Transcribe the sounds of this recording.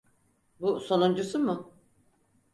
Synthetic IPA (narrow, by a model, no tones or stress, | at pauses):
busonund͡ʒɯsɯmʊ